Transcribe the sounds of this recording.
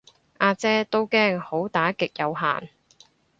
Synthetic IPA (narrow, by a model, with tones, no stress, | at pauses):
ʔaː˧t͡sɛː˥t̪o˥wkɛː˥ŋho˨˥wt̪aː˨˥kɪ˨k̚jɐ˨˧wɦa̰ː˨˩n